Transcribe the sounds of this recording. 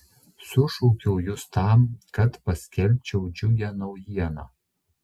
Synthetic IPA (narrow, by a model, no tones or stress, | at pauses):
sʊʃuːkʲɛʊjʊst̪ɑmkɐt̪pɐsʲkʲɛlʲt͡ʃʲɛʊd͡ʒʲʊjʲɛnɐʊjiɛnɐ